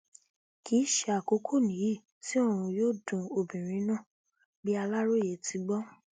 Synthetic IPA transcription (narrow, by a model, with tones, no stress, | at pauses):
ki˨˦ʃe˦a˨ko˨˧˦kʰo˦˨nĩ˨˦ji˦˨ | ti˦o˦˨ɾ̃ũ˧joː˦˨dũ˧o˨bĩ˨ɾ̃ĩ˨˦nã˦˨ | bi˦a˧la˦ɾo˦˨je˨ti˧˦ɡ͡bɔ˦